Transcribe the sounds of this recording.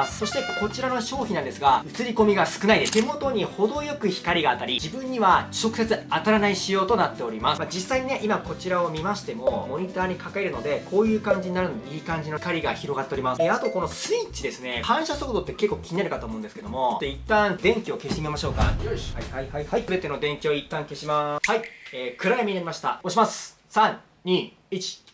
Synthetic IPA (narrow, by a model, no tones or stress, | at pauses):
sso̞ɕi̥t̪ekko̞t͡ɕiɾanoɕo̞ːçʲinãnd̪e̞sɨɡaɯ̟t͡sɨɾʲiko̞mʲiɡasɨ̥kɯnaid̪e̞t̪e̞mo̞t̪o̞ɲ̟iho̞d̪o̞jo̞kɯ̟çi̥kaɾʲiɡaːt̪ːaɾʲid͡ʑibɯ̟̃ɲ̟ːiβat͡ɕo̞kɯ̟se̞t͡sɨat̪aɾanaiɕijo̞ːt̪o̞nat̪ːe̞o̞ɾʲimasɨmad͡ʑisaiɲ̟ineʔimako̞t͡ɕiɾao̞mʲimaɕi̥t̪e̞mo̞mo̞ɲ̟it̪aːɲ̟ikakaeɾɯ̟no̞d̪e̞kʰo̞ːjɯ̟ːkãɲ̟d͡ʑiɲ̟inaɾɯ̟nod̪eiːkãɲ̟d͡ʑinokaɾʲiɡaçiɾo̞ɡat̪ːe̞o̞ɾʲimaseat̪o̞ko̞no̞sɨit͡ɕid̪e̞sɨne̞kãɰ̃ɕasokot̪o̞t̪ːeke̞kːo̞ːkʲiɲinaɾɯkat̪o̞ːmo̞ɯ̃nd̪eɨ̥ked̪o̞̰mo̞ot̪ːoit̪ːãnd̪ẽ̞ŋkʲioke̞ɕi̥t̪emimaɕo̞ːka̰ | iɨbe̞t̪e̞no̞d̪ẽ̞ŋkʲio̞it̪ːãŋke̞ɕimahaieːkɯ̟ɾajamiɲinaɾimaɕi̥t̪a̰oɕimasɨ̥ | sãɲ | ɲʲiː | it͡ɕi̥